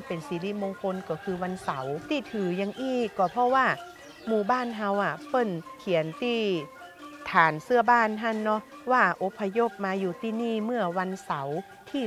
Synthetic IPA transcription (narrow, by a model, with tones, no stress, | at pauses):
pe˨˩nsiː˨˦li˧˥moː˧ŋkʰo˧nkɔː˧˩kʰɯː˧wa˧nsa˨˦wt̪ʰiː˧˩t̪ʰɯː˨˩˦ja˧ŋʔiː˧˥˩kkːɔː˧˩pʰɔ˧˥waː˧˥˩ | muː˧˩baː˧˥˩nɦa˧wʔa˨˩pɤ˧˥˨nkʰi˨˩˦ənt̪iː˧˥˩ | t̪ʰaː˨˦nsɯ˧˩ɐbaː˧˥˨nɦa˧˩˨nːɔ˧˥ | waː˧˩ʔo˧˦pʰːa˧jo˧˥˩p̚maː˧juː˧˩t̪iː˧˩niː˧˥˩mɯ˧˥˩ɐwa˧˥nsa˨˩˦w | t̪ʰiː˧˩